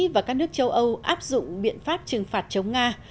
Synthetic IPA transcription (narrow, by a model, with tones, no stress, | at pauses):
vaː˨˩kaː˦˥k̚nɨ˦˥ək̚t͡ɕə˧wʔə˧wʔaː˦˥p̚zʊ̰˧˨ŋ͡mɓḭ˧˨ənfaː˦˥p̚t͡ɕɨ˨˩ŋfaː˨˩t̚t͡ɕə˨˦wŋ͡mŋaː˧